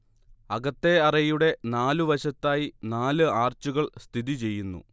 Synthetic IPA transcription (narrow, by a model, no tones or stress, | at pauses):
ɐɣɐt̪ːe̞ɐrɐjuɽe̞naːluʋɐɕɐt̪ːaːjinaːlɨaːrt͡ɕuɣɐɭst̪ʰiðit͡ɕe̞jːunːṵ